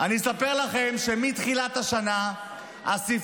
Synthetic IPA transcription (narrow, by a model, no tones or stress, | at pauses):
aniesape̞ʁlaχe̞mʃe̞mit̪χilat̪haʃana | asif